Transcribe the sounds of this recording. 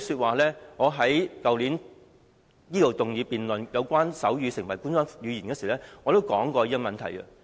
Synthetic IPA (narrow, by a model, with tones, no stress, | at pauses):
syː˧t̚waː˨˩lɛː˥ŋɔː˨˧ɦɐ˨˥jkɐ˨wliː˨˥n | jiː˥lo˨˩wt̪ʊ˨ŋjyiː˨˧piː˨nlɵ˨njɐ˨˧wkʷaː˥nsɐ˨˥wjyː˨˧sɪ˨˩ŋwɐ˨˩jku˥nsaː˥jyː˨˧jiː˨˩nkɛː˧si˨˩˨lɛ˥ŋɔː˨˧t̪o˥wkɔ̰ː˨˥ŋkɔː˧ji˥ɐ˥mɐ˨nt̪ʰɐ˨˩jkɐ̰˧